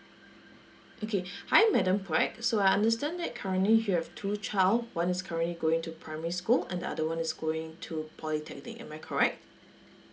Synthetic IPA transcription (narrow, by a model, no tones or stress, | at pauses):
ʔokʰehaɪɛ̃mːɛdãmpʰɛksoajãndəstɛ̃nd̪ɛt̚kʰaɹə̃nlijuhɛvtʰut͡ʃʰaɪlwãnɪskʰaɹə̃nliɡoɪ̃ŋtupʰɹaɪmɛɹiskulɛ̰̃ndə̰ʔa̰dəwãnɪsɡoɪ̃ŋtʰupʰɔlitʰɛk̚nɪ̰kɛ̰̃maɪkʰɔɹɛk̚t̚